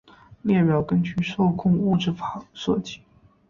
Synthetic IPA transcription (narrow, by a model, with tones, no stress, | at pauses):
ljɛ˥˩pjɑ˨˩ʊkə˥nt͡ɕy˥˧ʂo˥˧ʊkʰʊ˥˧ŋu˥˧ʈ͡ʂɻ̩˥˩fa˨˩ʂwɤ˥˩t͡ɕi̥˥˩˦